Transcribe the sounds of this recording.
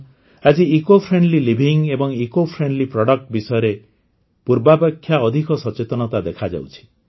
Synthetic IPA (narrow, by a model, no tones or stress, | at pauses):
ad͡ʒiikopʰɾeɳɖlilibʱiŋebɔŋikopʰɾeɳɖlipɾɔɽɔk̚ʈbisɔjɔɾe | puɾbapakʰːjaɔd̪ʱikɔsɔt͡ʃet̪ɔnɔt̪ad̪ekʰad͡ʒa̰wt͡ʃʰi̥